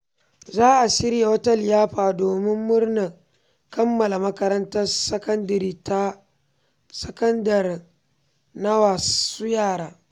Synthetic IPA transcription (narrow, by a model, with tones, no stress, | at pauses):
zaː˦ʔa˨sɪ˦ɾja˨wɐ˦tɐ˦˨ljaː˦ɸaː˨doː˨mɪ˦mːʊ˦rna˨ | kɐ˦mːɐ˨la˨mɐ˦kɐ˦ɾɐ˦ntɐ˦rsɐ˦kɐ˦ndɐ˨ɾiː˦ta˦ | sɐ˦kɐ˦ndɐ˨r | na˦waː˨suː˦jaː˦˨ɽaː˦